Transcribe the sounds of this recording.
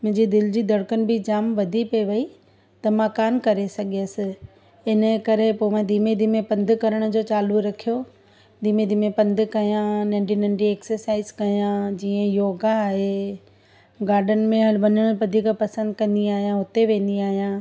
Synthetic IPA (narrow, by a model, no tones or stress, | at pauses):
mʊ̃ɦɪ̃ɲd͡ʑid̪ɪld͡ʑid̪ɐɽkənɪ̆bɪd͡ʑaːmʋɐd̪ʱipeʋɐi | t̪ɐmãkaːmkɐɾesɐɡijəsɪ̆ | ɪnə̆kɐɾepoːmãd̪iːmed̪ʱimẽpɐ̃nd̪ʱɪkɐɾəɽ̃d͡ʑoːt͡ɕaːluɾɐkʰijo | d̪iːmed̪ʱimẽpɐ̃nd̪ʱʊkɐjãnɐ̃ɳɖinɐ̃ɳɖieːksəɾsaːɪzkɐjãd͡ʑiːə̃joːɡaːɦe | ɡaːɾɖən̆mẽɦɐlʋɐɲəɽ̃pɐd̪ʱikapɐsə̃nd̪kɐ̃nd̪iaːɦijãɦʊt̪eʋẽːn̆d̪iaːɦijãː